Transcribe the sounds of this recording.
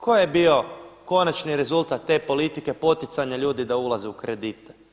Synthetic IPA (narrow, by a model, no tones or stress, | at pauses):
kʰo̞jebio̞ko̞nat͡ʃniɾe̞zulˠt̪at̪ːe̞ːpo̞lit̪ike̞po̞t̪it̪saɲaʎuːd̪id̪aulˠazeukɾed̪it̪e̥